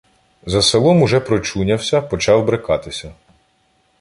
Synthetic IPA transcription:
zɐselˠɔmuʒɛpɾɔt͡ʃunʲɐwsʲɐpɔt͡ʃɑwbɾekɑt̪ɪsʲɐ

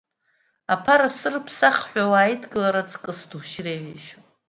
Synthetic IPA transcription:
apʰaɾasɨrpʰsaχħʷᶣawaːjdɡɨlaɾat͡sʰʼkʼɨsduʃreʕiʃ

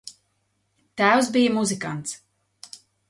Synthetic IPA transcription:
t̪æːwsbijmuzikant̪s

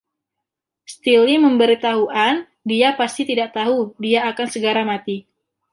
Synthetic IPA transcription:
st̪iliməmbəɾit̪aɦuʔan | diapast̪it̪idaʔt̪aɦudiaːkansəɡaɾamat̪i

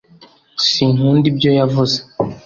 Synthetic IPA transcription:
siŋuːndibjo̞javuze

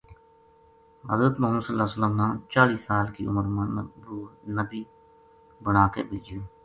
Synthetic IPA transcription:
ɦə̰zɾət̪mʊɦəmːəd̪səlːaːsələmnãːt͡ʃaːɽiːsaːlkḭːʊməɾmənbuːnəbiː | bəɳaːkḛːbɪld͡ʒaː

